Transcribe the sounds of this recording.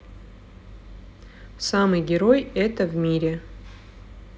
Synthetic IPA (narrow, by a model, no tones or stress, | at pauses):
samɨjɡʲɪɾojɛt̪əvmʲiɾʲɪ